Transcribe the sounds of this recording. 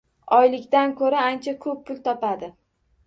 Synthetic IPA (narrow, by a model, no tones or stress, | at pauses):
ɒjlɪkʲt̪ankʰɵɾaant͡ʃʰakʰɵpːʰʊlˠt̪ʰɒpʰad̪ɪ